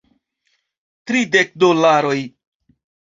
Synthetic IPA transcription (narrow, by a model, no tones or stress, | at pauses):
tɾide̞k̚dolaɾo̞j